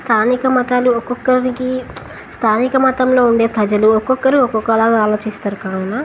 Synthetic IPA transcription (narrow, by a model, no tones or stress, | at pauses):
st̪ʰaːnikɐmɐt̪aːluɔkɔkːɐniki | st̪ʰaːnikɐmɐt̪ɐmlo̞ːuɳɖe̞ːpɾɐd͡ʒɐluɔkɔkːɐɾiɔkːɔkːɐlaːɡaːlo̞ːt͡ʃist̪aːɾukaːɐna